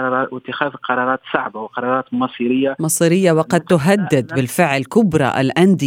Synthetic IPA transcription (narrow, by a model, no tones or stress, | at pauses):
ɾˤɑɾˤɑːwɪt̪ːɪxæːðqɑɾˤɑːɾˤɑːt̪sa̰ʕbawqɑɾˤɑːɾˤɑːt̪mɑsˤiɾɪjːamɑsˤiɾɪjːawɑqɑd̪̚t̪ʊɦad̪ːɪd̪bɪlfɪʕlkʊbɾˤɑ̰ʔlʔand̪i